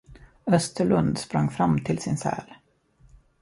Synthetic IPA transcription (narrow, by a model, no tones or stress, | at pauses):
œst̪əɭɵnd̪spɾaŋːfɾamt̪ʰɪlsɪnsɛ̰ːl